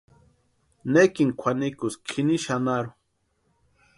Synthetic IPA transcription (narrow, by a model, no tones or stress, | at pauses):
nekiŋkʰʷanikʊskʰiniʃanaɾʊ